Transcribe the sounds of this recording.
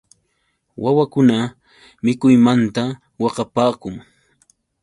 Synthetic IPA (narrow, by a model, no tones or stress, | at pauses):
wawakʊna | mɪkʊjmant̪a | wɑqɑpaːkʊŋ